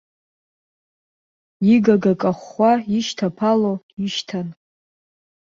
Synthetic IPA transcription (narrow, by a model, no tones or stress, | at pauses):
iɡaɡakʼaχʷaiʃtʰapʰalo | iʃtʰan